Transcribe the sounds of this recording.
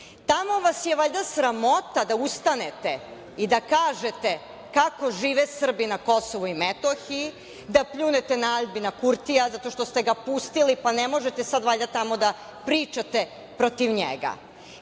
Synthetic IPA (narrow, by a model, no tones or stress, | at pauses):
t̪amo̞ʋasjeʋaʎd̪asɾamo̞t̪ad̪aust̪anet̪e | id̪akaːʒet̪e | kako̞ʒiːʋesr̩binako̞soʋuimet̪oxii | d̪apʎuːnet̪enaaʎbinakuɾt̪ijazat̪o̞ʃt̪ost̪eɡapust̪ilipanemo̞ʒet̪esad̪ʋaʎʲd̪at̪amo̞d̪a | pɾiːt͡ʃat̪e | pɾot̪iʋɲḛɡa̰